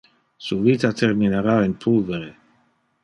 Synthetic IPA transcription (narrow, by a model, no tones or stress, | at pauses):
suvit̪at̪ʰerminaɾainpʰulveɾe